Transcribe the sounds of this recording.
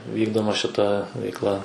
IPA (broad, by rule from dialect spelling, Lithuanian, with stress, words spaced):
ˈʋʲiːɡdoːmɐ ʃʲɪˈtɐ ʋʲɛɪkˈlˠɐ